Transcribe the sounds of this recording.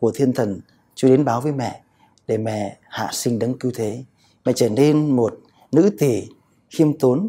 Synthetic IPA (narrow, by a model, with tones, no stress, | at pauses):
ku˧˩ət̪ʰi˧ənt̪ʰə˨˩n | t͡ɕu˧ɗe˨˦nɓaː˨˦wvəː˨˦jmɛ̰˧˨ | ɗe˧˩mɛ̰˧˨ha̰ː˧˨sï˧ŋ̟ɗə˨˦ŋki˧wt̪ʰe˨˦ | mɛ̰˧˨t͡ɕəː˧˩ne˧nmo˨˩t̚ | nɨ̰˧˥t̪i˨˩ | xi˧əmt̪o˨˦n